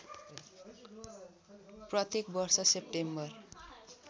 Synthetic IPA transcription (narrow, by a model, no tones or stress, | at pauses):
prʌt̪jekbʌrsʌsep̚ʈembʌr